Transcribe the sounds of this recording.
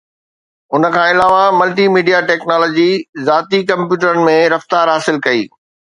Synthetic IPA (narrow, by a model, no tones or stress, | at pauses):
ʊnə̆kʰãːɪlaːʋamɐlʈimiːɖijaʈɛːknaːlɔːd͡ʑizaːt̪ikɐ̃mpjuːʈəɾənɪ̆mẽɾɐft̪aːɾɦaːsɪlkɐḭː